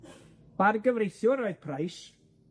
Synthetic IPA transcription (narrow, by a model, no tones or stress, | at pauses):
b̥arɡəvrejθjʊɾoɨð̥pʰrajs